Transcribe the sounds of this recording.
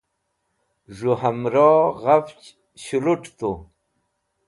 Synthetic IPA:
ʐuhamɾoʁaft͡ɕ | ɕuluʈt̪u

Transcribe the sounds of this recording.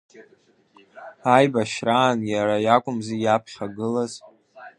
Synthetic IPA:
ajbaʃraːnjaɾajakʷʼʊmzijapʰχʲaɡɨlaz

